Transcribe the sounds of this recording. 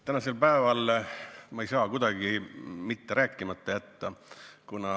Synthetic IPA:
t̪ænɑse̞lpæevɑlmɑejsɑːkud̪̥ɑɡ̥imit̪ːe̞ɾæːkˑːimɑt̪ːˑɑjæt̪ːɑkunɑ

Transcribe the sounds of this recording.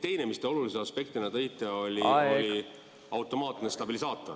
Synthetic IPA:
t̪e̞jnemist̪e̞o̞lulis̬eɑspe̞k̚t̪inɑt̪ɤjt̪ːˑeo̞lʲioli | ɑwt̪ːˑo̞mɑːt̪nest̪ɑbilisɑːt̪ːˑɑ

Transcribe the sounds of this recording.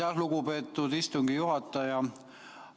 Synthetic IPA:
ɑsluɡupe̞ːt̪ːˑud̪ist̪uŋɡ̥ijuɦɑt̪ːˑɑjɑ

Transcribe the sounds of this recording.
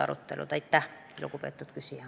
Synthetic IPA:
ɑ̰ɾṵt̪ːelʔṵt̪ɑjt̪ːæh | ilokupeːt̪ːˑut̪kysijæ

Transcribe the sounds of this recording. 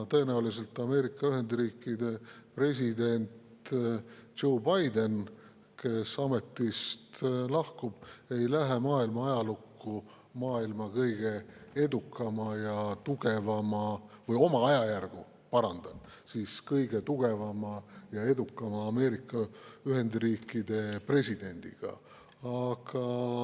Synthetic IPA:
t̪ɤ̞e̞næulise̞lt̪ːˑɑme̞ːɾikːˑɑyɦe̞nd̪̥riːkːˑid̪e̞pre̞s̬ʲid̪e̞nʲt̪ | ʒo̞ːbɑjd̪e̞n | ke̞sɑme̞t̪ːˑist̪lɑhkub̥e̞jlæɦe̞mɑːilmɑɑjɑlukːu | mɑːilmɑkɤjɡ̥e̞e̞d̪ukːˑɑmɑjɑt̪uɡ̥e̞vɑmɑvɤjo̞mɑɑjɑjærɡ̥u | pɑɾɑnd̪̥ɑn | siːskɤjɡ̥e̞t̪uɡ̥e̞vɑmɑjɑe̞d̪ukːˑɑmɑːme̞ːɾikːˑɑyɦe̞nd̪riːkːˑid̪̥e̞pre̞sʲid̪̥e̞nʲd̪̥ḭɡ̥ɑ̰ | ɑɡ̥ɑ

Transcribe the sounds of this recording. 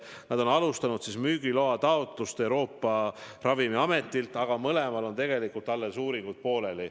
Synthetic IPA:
nɑd̪o̞nɑlust̪ɑnud̪sismyːɡ̥ilo̞ɑt̪ɑo̞t̪ˑlust̪e̞wɾo̞ːpˑːɑrɑvimiɑme̞t̪ːˑilt̪ˑɑɡ̥ɑmɤlemɑlo̞nt̪e̞ɡ̥e̞likult̪ːɑlːe̞suːɾiŋɡ̥ut̪̚po̞ːle̞li

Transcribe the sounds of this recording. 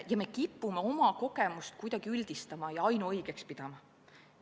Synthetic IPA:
jɑme̞kipːumeo̞mɑko̞ɡ̥emust̪̚kujd̪̥ɑɡ̥iylʲd̪̥ist̪ɑmɑjɑɑjnuɤjɡ̥ekspid̪̥ɑmɑ

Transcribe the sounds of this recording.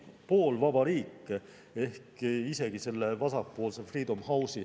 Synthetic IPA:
po̞ːlvɑb̥ɑɾiːkːˑ | e̞hkise̞ɡ̥ise̞lːe̞vɑsɑpːo̞ːlse̞friːd̪omhɑwsi

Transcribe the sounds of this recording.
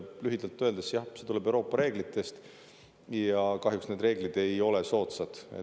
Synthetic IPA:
lyɦid̪ɑlt̪ːˑøld̪esjɑhse̞t̪ulɛ̞bewɾo̞ːpːˑɑɾe̞ːɡ̥lit̪ˑːe̞st̪ | jɑkɑɦjuksned̪re̞ːɡ̥lid̪̥e̞jo̞leso̞ːt̪sɑd̪̥ḛ

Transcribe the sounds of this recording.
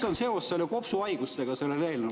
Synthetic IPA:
onse̞o̞sːelːekopsuɑjɡ̥useɡ̥ɑse̞lːereːlnɑ

